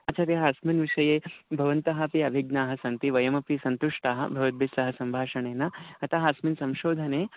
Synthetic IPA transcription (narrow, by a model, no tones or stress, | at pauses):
ɐt͡ʃɐɾjɐɦɐːsminʋiʂɐjeːbʱɐʋɐnt̪ɐɦɐpiɐʋʱiɡ̚naːɦɐ̆sɐnt̪iʋɐjɐmɐpɾiːsɐnt̪uʂʈaːɦɐ̰̆bʱɐʋɐd̪̚bʱesɐɦɐsɐmbʱaːʃɐɳeːnɐɐt̪aɦɐɐsminsɐ̃mʃoːd̪ʱɐneː